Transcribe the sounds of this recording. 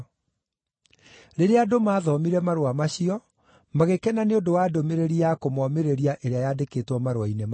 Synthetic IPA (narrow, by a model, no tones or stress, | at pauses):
ɾeɾeadomaːðɔmiɾɛmaɾoamaɕiɔ | maɣekɛnaneodowaːdomeɾeɾiakomɔmeɾeɾiaʔeɾeajadeketwɔmaɾowainem